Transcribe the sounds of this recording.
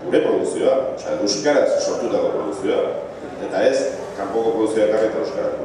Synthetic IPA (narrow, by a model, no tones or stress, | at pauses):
ɡuɾe̞pɾo̞ðuksio̞at͡ʃaewskaɾasːo̞ɾt̪ut̪akopɾoðuksio̞a | e̞t̪ae̞s | kampo̞ko̞pɾo̞ðuksioek̪ariet̪aeskaɾa̰k